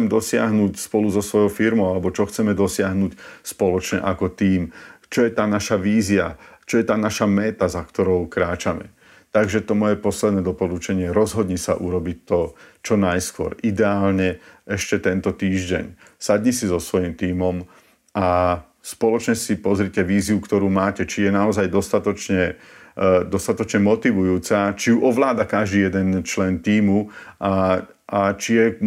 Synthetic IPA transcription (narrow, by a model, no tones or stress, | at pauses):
t͡sɛmd̪ɔsɪa̰ɦnuːcspɔluzɔsʋɔjɔʊfiɾmɔʊalɛbɔt͡ʃɔxt͡sɛmɛd̪ɔsɪaɦnucspɔlɔt͡ʃɲɛ̰ʔakɔt̪iːmt͡ʃɔjɛt̪aːnaʃaʋiːzia̰t͡ʃɔjɛt̪aːnaʃamɛt̪azakt̪ɔɾɔʊkɾaːt͡ʃamɛ̰ | t̪aɡʒɛt̪ɔmɔjɛpɔslɛd̪nɛːd̪ɔpɔlut͡ʃɛɲɪɛɾɔzɦɔd̪ɲisa̰ʔuɾɔbic̚t̪ɔt͡ʃɔnajskʊɔ̰ɾid̪ɛaːlɲɛɛʃcɛt̪ɛnt̪ɔt̪iːʒɟɛ̰ɲ | saɟɲɛsizɔsʋɔjimt̪iːmɔm | ʔa | spɔlɔt͡ʃɲɛsipɔzɾicɛʋiːziukt̪ɔɾuːmaːcɛt͡ʃijɛnaɔzajd̪ɔst̪at̪ɔt͡ʃɲɛ | d̪ɔst̪at̪ɔt͡ʃɲɛmɔt̪iʋujuːt͡sat͡ʃijuʔɔʋlaːd̪akaʒd̪iːjɛd̪ɛnt͡ʃlɛnt̪iːmuʔa | at͡ʃijɛ